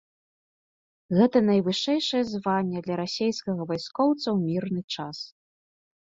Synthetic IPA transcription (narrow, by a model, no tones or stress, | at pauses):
ɣɛt̪ɐnɐjvɨʂɛjʂɐjɛzvanʲːɛd̪lʲɐɾasʲejskɐɣɐvajskɔwt̪sɐwmʲirnɨt͡ʂas